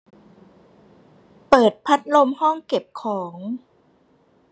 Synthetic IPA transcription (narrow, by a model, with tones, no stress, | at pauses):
pɤː˨˩t̪̚pʰa˦˥t̪̚lo˧mhɔ˥˩ŋke˨˩p̚kʰɔː˩˦ŋ